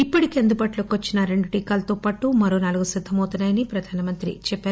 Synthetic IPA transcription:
ipːɐʈikeend̪ubaːʈloːkiʋɐt͡ʃːinɐɾe̞ɳɖuʈiːkaːlɐt̪oːpaːʈumɐɾo̞ːnaːluɡusid̪ʱːɐmɐwt̪unːaːjɐnipɾɐd̪ʱaːnɐmɐnt̪ɾḭt͡ʃɛpːaːɾu

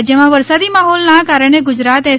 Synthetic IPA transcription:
d͡ʒjəmãʋəɾsad̪imaɦɔlnakaɾəɳ̃eɡʊd͡ʒɾat̪ɛ

